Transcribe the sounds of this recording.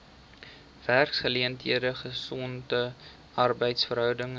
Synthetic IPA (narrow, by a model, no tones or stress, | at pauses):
værksχəliəntɦiədəχəsɔntə | ʔɐrbəjtsfəɾɦœwdəŋ